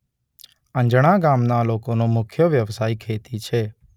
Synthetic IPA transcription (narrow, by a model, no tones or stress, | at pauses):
ə̃nd͡ʒəɽ̃aɡaːmnaːloːkonõmʊkʰjəʋjəʋsaːikʰeːt̪it͡ʃʰeː